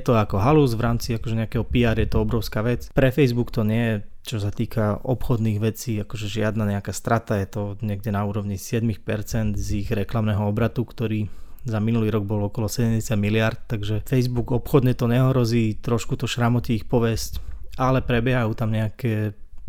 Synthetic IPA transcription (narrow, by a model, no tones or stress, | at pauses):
jɛt̪ɔakɔɦaluzʋɾaːmt͡siakɔʒɛɲɛakɛɦɔpiaːɾjɛt̪ɔɔbɾɔʊskaːʋɛt͡spɾɛfɛjzbukt̪ɔɲɪɛjɛt͡ʃɔsat̪iːkʰaɔpxɔd̪niːɣʋɛt͡siːakɔʒɛʒɪad̪naɲɛakaːst̪ɾat̪ajɛt̪ɔɲɪɛɡ̚ɟɛnauːɾɔʋɲisɪɛd̪mixpɛɾt͡sɛnd̪ziɣɾɛklamnɛɦɔɔbɾat̪ukt̪ɔɾiːzaminuliːɾɔɡ̚bɔlɔkɔlɔsɛɟɛmɟɛsɪad̪milɪaɾt̪t̪aɡʒɛfɛjzbuɡɔpxɔd̪ɲɛt̪ɔɲɛɔɦɾɔziːt̪ɾɔʃkut̪ɔʃɾamɔciːxpɔʋɛscalɛpɾɛbjɛɦajuːt̪amɲɛakɛ